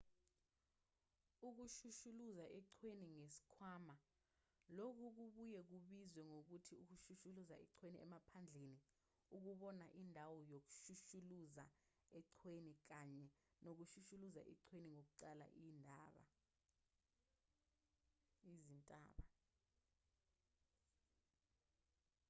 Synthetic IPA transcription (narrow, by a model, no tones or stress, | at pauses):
uk̬uʃuʃuluzaʔɛǀʰweniŋesi̥kʰwama | lok̬ʰuk̬uɓujɛk̬uɓizwɛŋok̬utʰiuk̬uʃuʃuluzaɛǀʰweniɛ̰mapʰand͡ɮʱeni | uk̬uɓɔnaʔindʱawɔjok̬u̥ʃuʃuluza̰ | ɛǀʰwenik̬aɲɛnok̬uʃuʃuluza̰ʔɛ̰ǀʰweniŋok̬uǀala̰ʔiːndʱaːɓa̰ | izintʼa̰ːɓa